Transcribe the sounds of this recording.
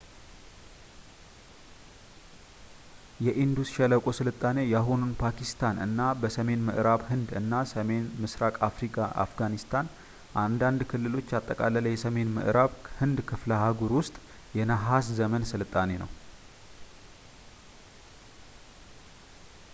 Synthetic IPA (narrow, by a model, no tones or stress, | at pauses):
jɛʔind̪usʃɛləkʼo̞sɨlɨt̪ʼːane̞jaɦonunpʰakʰist̪ʰanʔɨ̰nːabəsəme̞nmɨʔɾaβɦɨnd̪ɨnːasəme̞nmɨsɾakʼafɾikʼaʔa̰fɡanist̪ʰan | ʔand̪and̪kʰɨlːɨlo̞t͡ʃːat̪ʼːəkʼalələjɛsəme̞nmɨ̰ʔɾʔaβhɨnd̪kʰɨflaɦaɡuɾwʊst̪ʼ | jɛnaɦaszəmənsɨlɨt̪ʼːane̞nə̰w